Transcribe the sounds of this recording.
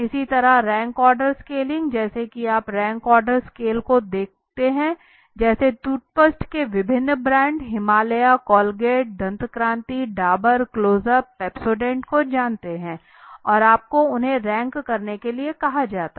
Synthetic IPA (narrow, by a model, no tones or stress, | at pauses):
ɪsit̪ɐɾaɾɛ̃ːŋkɔːɾɖəɾskeːlɪ̃ŋɡd͡ʒɛːsekiaːpɾɛ̃ːŋkɔːɾɖəɾskeːlkod̪eːk̚ʰt̪eɦɛ̃ | d͡ʒɛːset̪uːʈ̚pəsʈkeʋɪbʱɪnːbɾɛ̃ːɳɖɦɪmaːləjakɔːlɡeːʈ̚d̪ʱɐ̃nt̪kɾãːnt̪iɖaːbəɾkloːzəpɛːpsoːɖɛ̃ːɳʈkod͡ʒaːnt̪eɦɛ̃ː | ɔːɾaːp̚koʊnɦẽɾɛ̃ːŋkːɐɾnekeliekɐɦad͡ʒaːt̪a